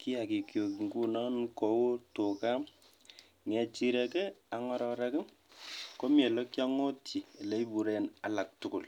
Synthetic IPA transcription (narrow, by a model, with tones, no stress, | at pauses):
ki˦a˨ki˨kjo˨ki˨ŋku˦nɔ˦nko˨wo˦tʊ˨ka˦ | ŋɛ˨t͡ʃi˦ɾɛ˨kɛ˦a˨ŋɔ˦ɾɔ˨ɾɛ˦kɛ˦ | ko˦mje˨lɔ˦kja˦ŋo˦tʰi˨le˨˦i˦bu˨ɾe˨na˨la˨k̚tʊ˦kʊ˨l